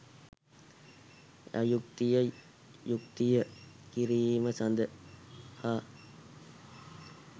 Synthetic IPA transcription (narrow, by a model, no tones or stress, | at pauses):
a̰jukt̪ijə | jukt̪ijəkiɾiːməsand̪əhaː